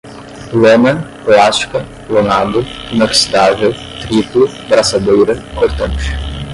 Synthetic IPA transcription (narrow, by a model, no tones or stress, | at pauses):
lomɐ̃ | klaskɐ | lonad̪ʊinɐksi̥d̪avew | t̪ɾiplʊ | bɾasad̪ojɾɐkoɾt̪ɐ̃nt͡ʃɪ̥